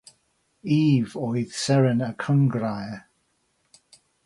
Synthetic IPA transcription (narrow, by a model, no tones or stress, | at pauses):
iːvɔjð̥sɛɹənəkʰəŋɡɹajə